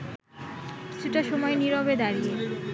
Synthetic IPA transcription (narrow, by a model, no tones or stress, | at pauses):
kki̥t͡ɕʰuʈaʃɔmɔeniɾobed̪aɾie